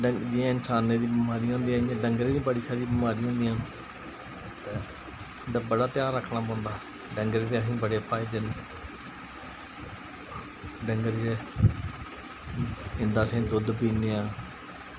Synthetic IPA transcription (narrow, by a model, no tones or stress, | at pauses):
ɖəd͡ʒijãːɪnsaːnẽːd̪iːbiːmaːɾiːãːnd̪iããɖəŋɡɾẽːd̪ĩːbəɽiːsaːɾiːbiːmaːɾiːõːnd̪ijãː | t̪eː | d̪aːbəɽaːt̪ɪjaːɾːəkʰnaːpɔ̃ːʊ̃nd̪aː | ɖəŋɡɾeːt̪eːəsĩːbəɽeːpʰaːɪd̪eːn | ɖəŋɡəɾe | ɪ̃nd̪aːsĩːd̪ʊd̪piːneːãː